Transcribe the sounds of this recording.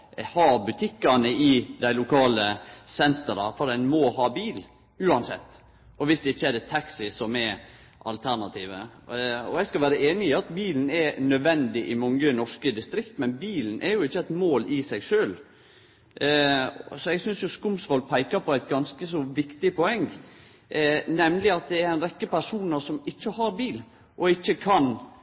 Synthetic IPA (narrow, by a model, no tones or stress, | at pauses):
hɑːbʉt̪ʰɪkːɑnəʔɪd̪æɪlʊkʰɑːləsɛnt̪əɾɑfɔɾɛnmɔhɑːbiːl | ʉːɑnsɛ̰t̪ː | ɔʋɪsd̪ɛɪçːəɛd̪ɛt̪ʰɑksɪsɔmɛ | ʔɑ̰lt̪ʰæɾɳɑt̪ʰiːʋə̰ɔɛɡskɑʋæːɾəeːnɪɪɑt̪biːln̩ɛnœd̪ʋɛnd̪ɪʔɪmɑŋːənɔʂkəd̪ɪst̪ɾɪkt̪mɛnbiːln̩ʔɛɾjʊɪçːəɛt̪moːlɪsɛɪɡʂøːl | sɔɛɡsʏnsjʊskʊmsʋɔlpʰæɪkɑɾpʰɔæɪt̪̚ɡɑnskəsɔʋɪkt̪ɪpʰɔɛŋː | nɛmlɪɑt̪̚d̪ɛæɾɛɪnɾɛkːəpæɾʂuːnəɾʂɔmɪçːəhɑɾbiːl | ʔɔɪçːəkʰɑn